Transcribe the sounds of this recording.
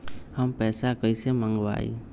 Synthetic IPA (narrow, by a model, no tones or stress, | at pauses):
həmpɛsakəjsɛmaŋɡba̰j̰